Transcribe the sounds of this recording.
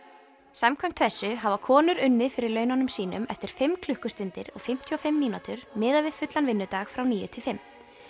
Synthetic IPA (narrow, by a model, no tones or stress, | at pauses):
samkʰvajm̥t̪θɛsːʏɦavakʰɔːnʏɾʏnːɪðfɪɾɪɾlœːɥnanʏmsiːnʏ̰mɛ̰ft̪ɪɾ̥fɪmkʰlʏhkʏst̪ɪnt̪ɪɾɔ̰ɣfɪm̥t̪ʰjɔfɪmːiːnat̪ʏɾmɪːðavɪðfʏt̪lanvɪnːʏt̪aːxfɾawniːjʏ̰t̪ʰɪlfɪmː